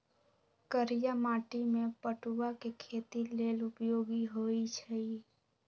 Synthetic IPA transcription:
kəɾijamaːʈimẽpəʈuwakekʰeːt̪ileːlʊpjoːɡiɦoːit͡ʃʰɛi

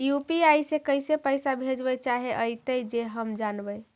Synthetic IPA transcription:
jupiajsekəjsepəjsabʱed͡ʒbət͡ʃaɦeʔəjt̪əjd͡ʒeɦəmd͡ʒanbəj

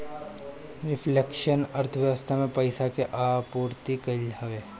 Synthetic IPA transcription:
ɾɪflekʃənɐɾt̪ʰəʋjəʋəst̪ʰamẽpɐɪsakeʔaːpuːɾt̪ikɐlɦɐʋeː

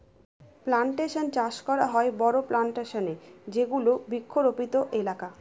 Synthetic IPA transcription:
plaɳʈeʃont͡ɕaʃkɔɾaɦɔebɔɾoplaɳʈeʃoned͡ʑeɡulobikʰːoɾopit̪oʔelaka

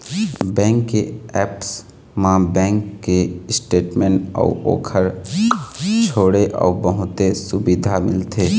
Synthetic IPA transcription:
bɛ̃ːŋkːeɛːps | mãbɛ̃ːŋkːesʈeːʈmẽːnɔ̰ːo̰ːkʰəɾ | t͡ʃʰoːɽeʔɔ̰ːbəɦʊt̪esʊbid̪ʱamɪ̰lt̪ʰeː

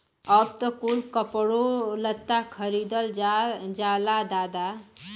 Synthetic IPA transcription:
əb̚t̪əkulkəpɽolət̪ːakʰəɾid̪əlad͡ʒalad̪aːd̪a

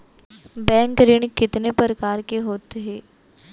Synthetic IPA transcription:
bɛ̃ːŋkɾɪɳ̃kɪt̪nepəɾkaːɾkeɦoːt̪eɦɛː

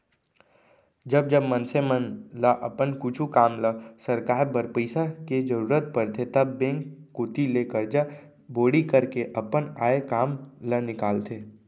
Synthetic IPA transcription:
d͡ʒɐb̚d͡ʒəbmə̃nsemənlaʔɐpənkut͡ʃʰukaːmləsɐɾkaːɾbəɾpəɪsaked͡ʒəɾuːɾət̪̚pəɾt̪ʰet̪ɐbːẽːŋkːkuːt̪ileːkəɾd͡ʒa | boːɽikəɾkeʔɐpənaːekaːmlənɪkaːlt̪ʰeː

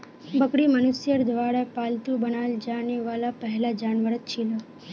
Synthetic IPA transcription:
bəkɽimənusjəɾd̪ʱʋaɽapalt̪ubənald͡ʒaniʋalapəɦɛlad͡ʒaɳʋəɾət̪̚t͡ʃʰilo

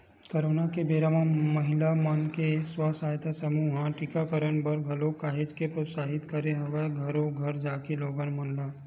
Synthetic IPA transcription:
koɾoːnakebeːɾamãmɐɦɪlamənkeswasaːjt̪asəmuːɦãʈɪkakəɾənbəɾɡʱɐlokaːɦed͡ʒkepɾosaːɦɪt̪kəɾeɦɐʋeɡʱɐɾoɡʱɐɾd͡ʒaːkeloːɡanmɐnla

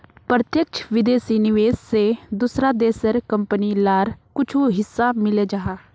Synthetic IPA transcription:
pɾət̪jəkt͡ʃʰʋɪd̪eːsinɪʋeːssed̪ʊsɾad̪eːsəɾkə̃mpənilaːɾkʊt͡ʃʰuɦɪsːamɪled͡ʒaːɦaː

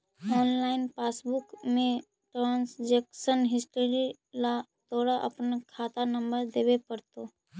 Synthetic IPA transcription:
ɔːnlaːɪnpaːsbʊkmẽ | ʈɾãːnsd͡ʒeːkʃənɦɪsʈəɾi | lat̪oːɽaʔɐ̰pnakʰaːt̪anə̃mbəɾd̪eːwepəɾt̪o

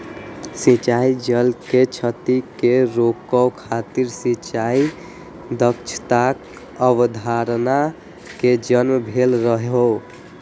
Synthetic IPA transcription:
sit͡ʃaid͡ʒəlket͡ʃʰət̪ikeɾokəwkʰat̪iɾsĩt͡ʃai | d̪əkt͡ʃʰə̥t̪ak | əbd̪ʱaɾna | ked͡ʒənməbʱelɾəɦeɦo

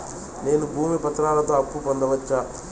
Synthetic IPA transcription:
ne̞ːnubʱuːmipɐt̪ɾaːlɐt̪o̞ːɐpːupond̪ɐʋɐt͡ʃːaː

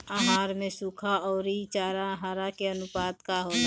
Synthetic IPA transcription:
aɦaːɾmẽsuːkʰaɔːɾit͡ʃaːɾaɦaːɾakeənʊpaːd̪kaɦoːt̪ː

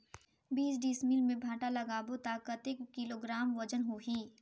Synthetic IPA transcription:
biːsɖiːsmilmẽbʱaːʈalɐɡaːbot̪aːkət̪eːkkːiloːɡɾaːmʋɐd͡ʒənɦoɦiː

